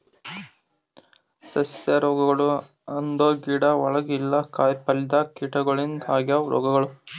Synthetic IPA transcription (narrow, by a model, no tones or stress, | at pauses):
sɐsɐɾɔːɡɐɡɐɭu | ɐnd̪oːɡiːɽɐʋɔɭɐɡilːɐkaːjpɐlid̪ɐkiːʈɐɡɐɭind̪ʱaːɡjɐɾʔɔ̰ːɡɐɡɐɭu